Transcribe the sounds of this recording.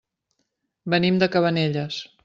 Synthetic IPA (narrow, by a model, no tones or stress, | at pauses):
bənimd̪əkəβəneʎəs